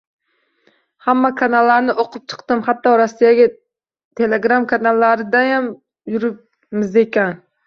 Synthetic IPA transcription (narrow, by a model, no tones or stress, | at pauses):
hamːakʰanalˠːaɾnɪʔoqʰʊp̚t͡ʃʰɨ̥qt̪ɨmhat̪ːɒɾasːijaɡʲa | t̪ʰeleɡɾamkʰanalˠːaɾɪd̪ajam | jʊɾɪp̚ | mɪzekʲan